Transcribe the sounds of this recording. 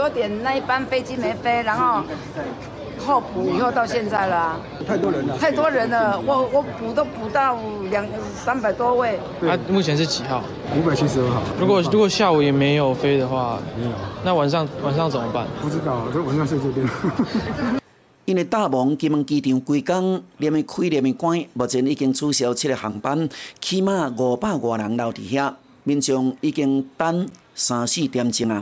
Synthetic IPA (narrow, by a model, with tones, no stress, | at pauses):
jo˧˥t̪jɛ˨˩nna˥˧i˥˩pa˦nfe˥ɪt͡ɕi˥me˧˥ɪfe˥ɪɻa˧˥nho˥˩ʊ | xo˥˩ʊpu˨˩i˨˩ho˥˧ʊt̪ɑ˥˧ʊɕjɛ˥˧nt͡sa˥˩ɪlə˩ | t̪ʰa˥˧ɪt̪ɔ˦˥˧t̪ʰa˥˩ɪt̪wɔ˥ɻə˧˦nd̪ə˧wɔ˧˩wɔ˨˦˩pu˨t̪o˥˦ʊpu˨˩t̪ɑ˥˩ʊljɑ˨˩ŋ | sa˥npa˨˩ɪt̪wɔ˦˥we˥˨˩ɪ | a˦mu˥˩t͡ɕʰjɛ˧nʂ̬̩˥˩t͡ɕʰi˨˩ɦa˥˩ʊ | li˧˥pa˨˩t͡ɕʰi˦˥ʂ̬̩˧˥ə˧˥xa˨˦ʊɻu˧˥kwɔ˨˩ɻu˧˦˥kwɔ˨˩ɕja˥˨u˧˦jɛ˨˩me˧˥ɪjo˨˩ʊfe˦ɪd̪ə˨xwa˥˧˨na˥˨wa˨ns̬a˥˧ŋwa˨˩nsa˥˧ŋt͡sə˨˩mə˦ba̰˥˨npu˥˧t͡sɨ˧˦t̪a˥˨ʊ˨˧˥wa˨nsa˥˧ŋsi˥˧t͡sə˥˧p̪ji˥˨n˨ | i˧nwe˧t̪a˥˩bɔ˨˦ŋki˧mɨ˧ŋki˧t̪jĩ˨˦ki˧ka˦ŋlmi˧kʰwi˦ɾja˧mi˧kw̃ã˦jbɔ˨˩t͡se˧ni˦˧ki˧ŋt͡sʰu˦ɕja˧wt͡ɕʰi˦˥le˨˧ha̰˨˩ŋpa˦nkʰi˦mã˥˧˨ɡɔ˨˩pa˥˧˨ɡwa˨˩la˨˦ŋda˧˩wt̪ʰḭ˨˩hja˦˧˦ | bi˧nt͡ɕʰjo˧˩ŋi˦ki˧ŋt̪a˦n | sã˨˧ɕi˥˧t̪ja˧mt͡ɕi˧ŋa˨